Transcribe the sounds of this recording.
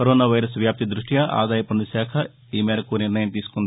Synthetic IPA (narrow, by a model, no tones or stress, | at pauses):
kɐɾoːnaːʋɐjɾɐsʋjaːp̚t̪id̪ɾuʂʈjaʔa̰ːd̪aːjɐpɐnd̪usaːkʰɐ | iːmeːɾɐkuniɾnɐjɐmt̪iːsu̥kond̪i